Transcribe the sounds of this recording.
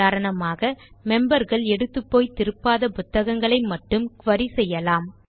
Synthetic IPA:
aːɾɐɳɐmaːɣɐmɛmbɐɾɣɐɭɛɽɯt̪ːɯpːoːjt̪ːɪɾɯpːaːðɐpʊt̪ːɐɣɐŋɡɐɭɐɪmɐʈːɯmkʊʋɐɾisɛjːɐlaːm

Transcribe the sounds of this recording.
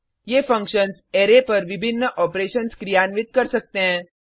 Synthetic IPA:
jefəŋkɕənseɾepəɾʋibʱinːəʔɔpɾeɕənskɾijanʋit̪̚kəɾsək̚t̪ẽ

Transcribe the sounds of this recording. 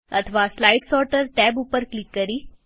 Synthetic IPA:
ə̰t̪ʰəʋaslajʈsɔɾʈəɾʈɛbupəɾklikːəɾiː

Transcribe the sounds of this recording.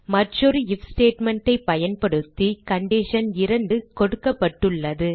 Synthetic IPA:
mɐʈrɔɾɯɪfsʈeːʈmɛɳʈːɐɪpːɐjɐnpɐɽɯt̪ːikɐɳɖɪʂɐnɪɾɐɳɖɯkɔɽɯkːɐpːɐʈːɯɭːɐðɯ

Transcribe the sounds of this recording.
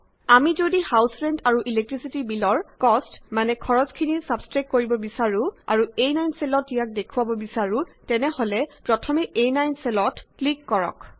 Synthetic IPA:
amizodihawsɹɛndaɹuʔilek̚tɹisitibilɔɹkɔstmanɛkʰɔɹɔzkʰinisabskɹakːoɹibɔbisaɹʊa̰ɹuejnajnsɛlɔtijak̚dekʰuwabɔbisaɹʊtɛnɛholɛpɹɔtʰɔmɛʔejnajnsɛlɔtklikːɔɹɔ̰k

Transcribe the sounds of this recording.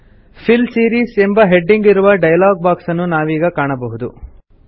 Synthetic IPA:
pʰilsiːɾiːse̞mbɐɦe̞ɖːiŋɡiɾuʋɐɖɐjɐlaːɡ̚baːksɐnːunaːʋiːɡɐkaːɳɐbɐɦud̪u

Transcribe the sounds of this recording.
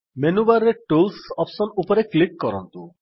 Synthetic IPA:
menubaɾːeʈulsɔpsɔnupɔɾeklikːɔɾɔ̰nt̪ṵ

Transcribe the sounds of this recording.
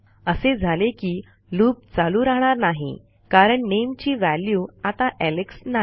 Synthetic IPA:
əsed͡zʱalekiː | luːp̚t͡saluːɾaɦɳ̃aɾnaɦḭ | kaɾəɳnemt͡ɕiːʋæljuːat̪aʔeleksna

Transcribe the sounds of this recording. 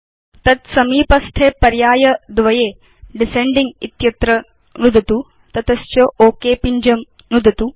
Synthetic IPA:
t̪ɐt̪sɐmiːpɐst̪ʰeːpɐɾjaːjɐd̪ʋɐjeː | ɖiseɳɖiŋɡit̪jɐt̪ɾɐ | ɾud̪ʱɐt̪u | t̪ɐt̪ɐst͡ʃoʔoːkeːpiɲd͡ʒɐm | nud̪ʱɐt̪u

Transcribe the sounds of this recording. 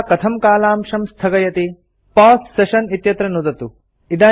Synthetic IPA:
kɐt̪ʰɐmkaːlaːmʂɐmst̪ʰɐɡɐjɐt̪i | paːsseʃɐnit̪jɐt̪ɾɐnud̪ɐt̪u | id̪aː

